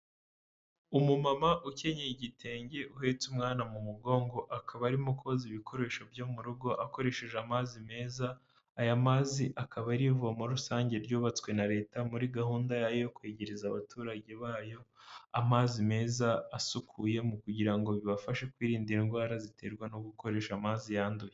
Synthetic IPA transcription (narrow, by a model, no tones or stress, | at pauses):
umumamaʔuce̞ɲeiɟitʰe̞ːɲɟe̞ʔuhe̞t͡sumŋaːnamumuɡo̞ːŋɡo̞ʔakʰaβaɾimukoziβikʰo̞ɾe̞ʃo̞vjo̞ːmuɾuɡo̞ʔako̞ɾe̞ʃe̞ʒeamaːzime̞ːzaː | jamaziʔakaβaɾivuβamuɾusaːɲɟe̞ɾɟuːβat͡swe̞naɾe̞ːtamuɾiɡahuːndajajojokwe̞ːɟe̞ɾezaβatuːɾaɟe̞βaːjo̞a̰maːzime̞ːzaːsukʰuje̞mukuɟiɾaŋɡo̞βiβafaʃe̞kwiːɾiːndiinɡwaːɾazitʰe̞ɾɡwanoɡuko̞ɾe̞ːʃamazijaːnduje